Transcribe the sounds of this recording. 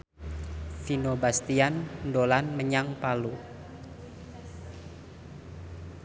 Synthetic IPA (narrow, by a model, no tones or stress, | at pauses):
finobast̪iandolanməɲaŋpalu